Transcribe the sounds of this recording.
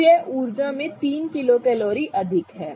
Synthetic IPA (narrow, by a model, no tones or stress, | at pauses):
ɛʔuːɾd͡ʒamẽt̪iːnkɪlokɛːloːɾiʔɐd̪ʱɪkɦɛː